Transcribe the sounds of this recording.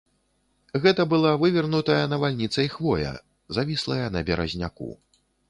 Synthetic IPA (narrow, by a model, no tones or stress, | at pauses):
ɣɛt̪ɐbɨlˠavɨvʲɛrnut̪ɐjɐnɐvalʲnʲit̪sɐixvɔjɐ̰ | zavʲislˠɐjɐnɐbʲɛɾɐ̰zʲnʲa̰kṵ